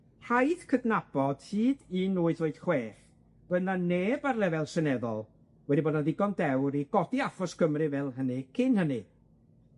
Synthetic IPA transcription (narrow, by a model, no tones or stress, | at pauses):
hajðkʰədnab̥ɔd̥hiːdinuːɨðoɨd̥χweːχ | b̥ənaneːbarlˠɛvɛlˠsənɛðɔ̰lˠ | wɛdiboːdnaðɪɡɔndɛwɾiɡ̥ɔdiafɔskʰəmrɨvɛlˠɦənɨkʰɪnhənɨ